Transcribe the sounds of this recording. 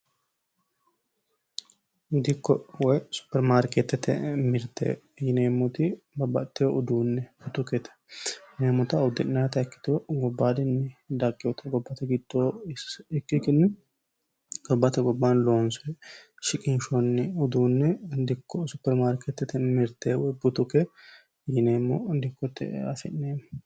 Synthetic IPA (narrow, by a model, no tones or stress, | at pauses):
d̪ɪkːɔwɔjsʊ̥pːɛɾmaːɾket̪ːɛt̪ːɛ̰mɪɾt̪ːḛ | jɪneːmːɔt̪ɪ | bɐbɐt̪ːɪjɔʊd̪uːnːɛʊt̪ːʊket̪ɛ̥neːmʊt̪ɐʊd̪ɪnnɐɐt̪ɐɛkːɪ̥t̪ɪwɔɡɔbːaːd̪ɪnːɛd̪ɐkʼːɪwɔt̪ɐɡɔbːɐt̪ɛɡɪd̪ːoːsɪkːɪkɪnːɛ | ɡ̥ɔbːɐt̪ɛɡɔbːanloːnsɔ | ʃɪkʼɪnʃɔnːɛʊd̪uːnːɛd̪ɪkːɔsʊpːɛɾmaːɾkɛt̪ːɛt̪ːɛmɪɾt̪ːeːwbʊt̪ʊkɛ | jɪneːmːɔd̪ɪkːɔt̪ːɛ̰ɐfɛnːeːmː